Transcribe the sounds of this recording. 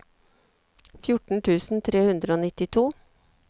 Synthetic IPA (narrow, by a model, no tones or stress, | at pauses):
fjʊʈɳ̩ʈ̪ʰʉːsn̩t̪ʰɾeːhʉnd̪ɾəoːnɪt̪ɪt̪ʰuː